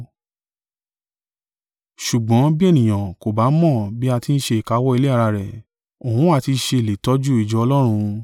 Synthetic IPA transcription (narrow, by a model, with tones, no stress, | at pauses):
ʃu˨ɡ͡bɔ̃˨˦bi˦e˦˨nĩ˨j̃ã˨ko˨ba˨˦mɔ̃˦˨bi˦a˧ti˧˦n̩˦ʃe˧i˨ka˨˧˦wɔ˦i˧le˦a˦˧ɾa˧ɾɛ˨ | o˨hũ˨˦a˦˨ti˧ʃe˧˨le˨tɔ˦d͡ʒu˦i˦˨d͡ʒɔ˨˧ɔ˧lɔ˦ɾ̃ũ˧